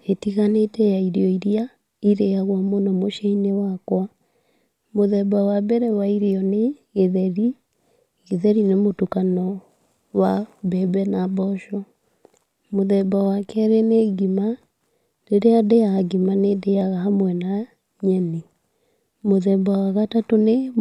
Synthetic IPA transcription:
etiɣanetɛjaiɾeɔiɾia | iɾeaɣwamonɔmoʃeinewakwa | moðɛbawabɛɾɛwaiɾeɔneɣeðɛɾi | ɣeðɛɾinemotukanɔ | wabɛbɛnabɔʃɔ | moðɛbawakɛɾɛneɡima | ɾeɾeadejaɡimanedeaɣaɦamwɛna | ɲɛne | moðɛbawaɣatatone

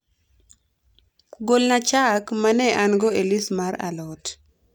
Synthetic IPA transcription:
ɡolnat͡ʃakmanɛʔanɡoelismaɾa̰lɔt

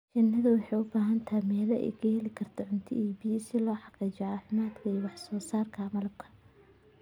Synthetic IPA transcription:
t͡ʃɪnːɐðɐwɑħɑjʊbaːɦɐnt̪ʰaːmɛːlɛʔɛ̰jkʰɐhɛlɪkʰɐrt̪ʰɔʕʊnt̪ʰɪ̰iːbiːsɪlɔːħɑqiːt͡ʃɛʕɑːfɪmaːd̪wɛjwɑħsɔːsaːrkʰaːmɐlɐb̚kʰɐ̥

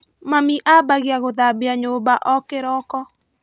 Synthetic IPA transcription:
mamiʔabaɣjaɣoðabeaɲobaʔɔkeɾɔkɔ

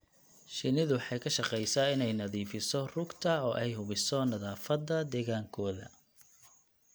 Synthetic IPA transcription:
ʃɪnɪðʊwħɑjkʰɐʃɑqɛjsaɪnɛjnɐðiːfɪsɔrʊɡt̪ʰɐɔːʔɛjɦʊβɪsɔnɐðaːfɐd̪ːɐd̪ɛːɣaːŋkʰɔːðɐ̰

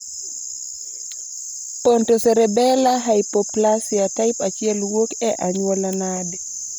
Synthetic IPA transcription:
pɔntɔsɛɾɛbɛlaɦajpɔplasiataipat͡ʃiɛlwokɛʔaɲwalanadɛ

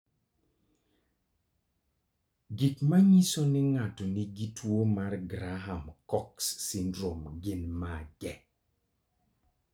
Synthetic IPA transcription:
ɡɪkmaɲisonɪŋatɔniɡitʰwomarɡɾaɦamkɔksːindɾomɡɪnmaɡɛ

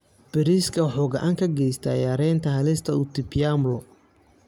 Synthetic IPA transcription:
b̥ɛɾiskʰɐħʊɣɐʔaŋkʰɐɡɛjst̪ʰɐ̰ːjaːɾɛːnt̪ʰɐɦɐlɪst̪ʰɐʊt̪ʰɪpɪjamlɔ

